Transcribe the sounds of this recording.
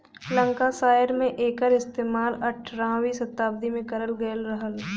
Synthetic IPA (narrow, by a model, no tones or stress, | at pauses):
lə̃ŋkasaːjəɾmẽʔeːkəɾɪst̪eːmaːlɐʈʰɾãːwisɐt̪ːaːbd̪imẽkɐɾəlɡɐjəlɾɐɦəl